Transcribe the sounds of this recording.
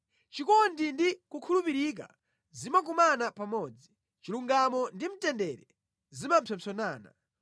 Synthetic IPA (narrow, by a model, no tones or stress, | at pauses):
t͡ʃikɔndindikukʰulupiɾik̬a̰ | zimak̬umanapamɔːd͡zi | t͡ʃiluŋɡamɔndim̩tɛndɛɾɛ | zimampʰɛmsɔnaːna̰